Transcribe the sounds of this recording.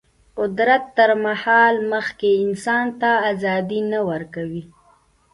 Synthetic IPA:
qʊd̪ɾat̪ːəɾmahɑlməxkeɪnsɑnt̪aːzɑd̪inawəɾkawi

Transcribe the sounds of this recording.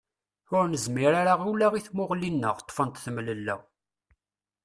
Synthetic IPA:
ʊɾnəzmiɾaɾaʁulæʁiθmʊʁlinːəʁt̪ˤːfənt̪θəmləlːæ̰

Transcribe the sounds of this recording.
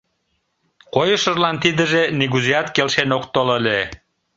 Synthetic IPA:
kojəʃəʒlɑnt̪id̪ə̆ʒeniɣuziɑt̪kelʃenokt̪oləlʲe

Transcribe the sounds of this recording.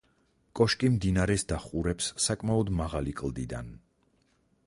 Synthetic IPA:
kʼɔʃkʼimd̪inaɾɛsd̪aχuɾɛpsːakʼmaɔd̪maʁalikʼlˠd̪id̪a̰n

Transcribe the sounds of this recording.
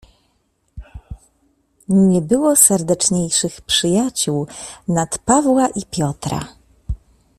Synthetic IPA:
ɲɛbɘwɔsɛɾd̪ɛt͡ʂɲejʂɘxpʂɘjat͡ɕuwnat̪pavwaʔipʲjɔt̪ɾa̰

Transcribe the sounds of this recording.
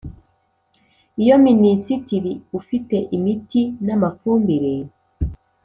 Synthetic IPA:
ijominisitiɾiufite̞ʔimitinamafuːmbiɾeɾ

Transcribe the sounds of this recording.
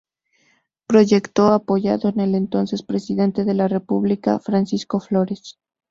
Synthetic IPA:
pɾo̞ʝe̞kt̪o̞apo̞ʝa̰ðo̞ene̞le̞nt̪o̞nse̞spɾe̞siðe̞nt̪e̞ðe̞lare̞puβlika̰fɾansisko̞flo̞ɾes

